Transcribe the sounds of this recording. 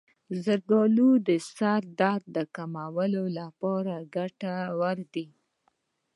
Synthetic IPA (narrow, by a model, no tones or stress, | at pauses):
zəɾɡolud̪əsaɾd̪ɑɾd̪d̪əkamawəlolapɑɾaɡaʈawaɾd̪i